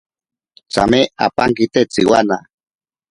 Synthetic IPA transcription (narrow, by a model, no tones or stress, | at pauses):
t͡sa̰meapaŋkit̪et͡siwana